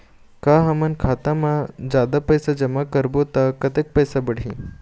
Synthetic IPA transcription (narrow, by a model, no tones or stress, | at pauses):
kaɦɐmənkʰaːt̪amãd͡ʒjaːd̪apɐjsad͡ʒɐmakəɾbot̪akɐt̪ek̚pəjsabəɽ̤ʱĩ